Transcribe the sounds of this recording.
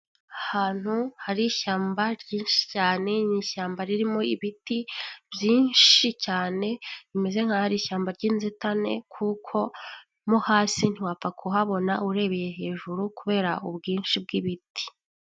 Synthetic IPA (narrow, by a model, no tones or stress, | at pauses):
ahaːn̥huhaɾiʃaːmbaɾɟiːnʃi̥caːne̞ɲiʃaːmbaɾiɾimo̞iβitibjiːnʃicaːne̞βime̞ze̞ŋ̥hahaɾiʃaːmbaɾɟiːnzetane̞̰kʰukʰo̞ | muhaːsin̥iwap͡fakʰuɦaβo̞nauɾe̞βeje̞ɦe̞ːʒuɾukuβe̞ːɾaʔubɡiːnʃib̚ɡiβiti̥